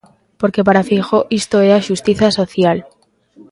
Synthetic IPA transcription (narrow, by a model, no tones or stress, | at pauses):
po̞ɾke̞paɾafixoʔist̪oeaʃust̪iθaso̞θjal